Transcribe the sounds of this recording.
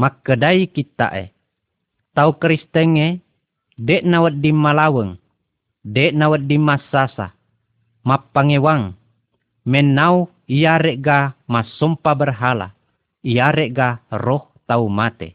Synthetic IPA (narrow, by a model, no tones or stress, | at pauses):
makədaikit̪a̰ʔḛ | t̪aukəɾist̪əŋe | deʔnawət̪̚dimalawəŋ | deʔnawədimasasa̰ | mapaŋewaŋ | menau | iaɾeʔɡamasɔmpabərɦala̰ | iaɾeʔɡarɔht̪aumat̪ḛ